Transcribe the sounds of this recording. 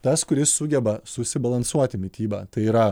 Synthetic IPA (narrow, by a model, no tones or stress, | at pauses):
t̪ɐskʊɾʲɪsːʊɡʲɛbɐsʊsʲɪbɐlˠɐnsuɔt̪ʲɪmʲɪt̪ʲiːbɑːt̪ɐɪiːɾɐ